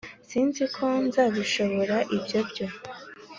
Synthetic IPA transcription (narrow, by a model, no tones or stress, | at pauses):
siːnzikʰo̞nzaːβiʃo̞βo̞ɾaʔibjo̞bɟo̞